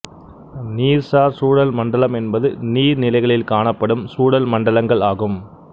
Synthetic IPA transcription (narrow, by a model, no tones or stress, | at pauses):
niːɾsaːɾsuːɽɐlmɐɳɖɐlɐmɛnbɐðɯniːɾnɪlɐɪɣɐɭɪlkaːɳɐpːɐɽɯmsuːɽɐlmɐɳɖɐlɐŋɡɐɭaːɣɯm